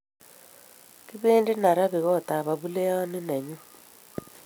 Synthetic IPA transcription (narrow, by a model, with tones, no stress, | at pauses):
ki˦βeː˦nde˦na˨ɾa˦βi˨ɣɔ˦˨ta˨βa˨βu˦le˦a˦ne˦na˨ɲu˦